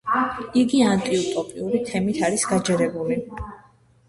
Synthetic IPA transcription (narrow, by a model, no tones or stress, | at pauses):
iɡiant̪ʼiut̪ʼɔpʼiuɾit̪ʰɛmit̪ʰaɾisɡad͡ʒɛɾɛbuli